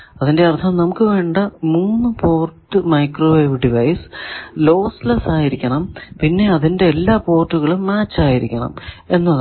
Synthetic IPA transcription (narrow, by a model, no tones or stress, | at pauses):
ɐðinde̞ɐrt̪ʰɐmnɐmukːɨʋe̞ːɳɖɐmuːnːɨpo̞ːrʈːɨmɐjkroːʋɐʋɖiʋɐjslo̞ːslɐsaːjiɾikʲːɐɳɐmpinːe̞ɐðinde̞ːlːaːpo̞ːrʈːuɣɐɭumːaːt͡ɕːaːjiɾikʲːɐɳɐ̰me̞nːɐð